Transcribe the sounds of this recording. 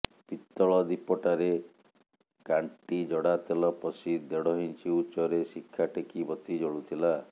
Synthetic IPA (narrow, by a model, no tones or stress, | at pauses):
pit̪ːɔɭɔd̪ipɔʈaɾe | kaɳʈid͡ʒɔɽat̪elɔpɔsid̪eɽɔɦint͡ʃiut͡ʃɔɾesikʰːaʈekibɔt̪id͡ʒɔɽut̪ʰila